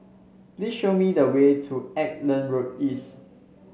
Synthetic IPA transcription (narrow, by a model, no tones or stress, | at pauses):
plisʃomidəwetʰuɛk̚lə̃nɹok̚is